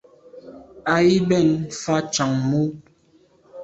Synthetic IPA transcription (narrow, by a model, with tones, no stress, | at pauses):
a˨i˦bɛ˦˨nfa˦t͡ʃa˨ŋmu˦